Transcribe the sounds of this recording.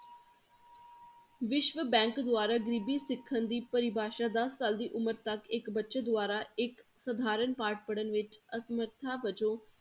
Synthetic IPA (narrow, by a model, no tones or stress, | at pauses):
ʋɪʃʋəbɛ̃ːŋkd̪ʊaːɾaːɡəɾiːbiːsɪkʰːənd̪iːpəɾɪbʱaːʃaːd̪əsːaːld̪iːʔʊməɾt̪əkɪkbətːʃəd̪ʊaːɾaːɪksəd̪ʱaːɾənpaːɾʈ̚pəɽənʋɪt͡ʃəsəməɾt̪ʰaːʋəd͡ʒõː